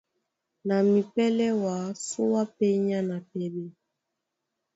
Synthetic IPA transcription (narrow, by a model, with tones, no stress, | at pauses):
na˨mi˨pɛ˦lɛ˦wa˨˦su˦wa˦pɛ˦ɲa˦na˨pɛ˦bɛ˦